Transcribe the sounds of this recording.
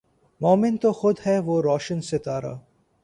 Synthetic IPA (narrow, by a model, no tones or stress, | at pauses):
mɔːmɪnt̪oxʊd̪ɦɛʋoːɾɔːʃənset̪aːɾa̰ː